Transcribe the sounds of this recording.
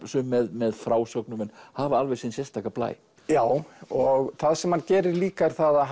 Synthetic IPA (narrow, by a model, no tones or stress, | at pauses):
sʏmːɛðmɛðfɾaːwsœknʏmɛnhavaɾalvɛsinsjɛst̪akapla̰ːj | jaːwɔɣθaðsɛmhancɛːɾɪɾliːkaɾ̥θaða